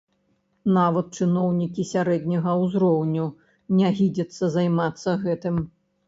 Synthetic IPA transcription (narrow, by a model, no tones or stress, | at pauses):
navɐt̪̚t͡ʂɨnɔwnʲikʲisʲaɾɛd̪ʲnʲɐɣɐwzɾɔwnʲu | nʲaɣʲid͡zʲɐt̪sːɐzajmat̪sːɐɣɛt̪ɨm